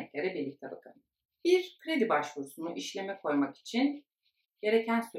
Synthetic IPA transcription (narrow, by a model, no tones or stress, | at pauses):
ɛclʲeɾɛbiɾlʲic̚t̪ʰɛba̰kʰɯ̰n | b̥iɾkʰɾed̪ibaʃlˠusunuʔiʃlʲe̞mɛkʰo̞jmaki̥t͡ʃʰin | ɟ̥e̞ɾe̞cʰænsø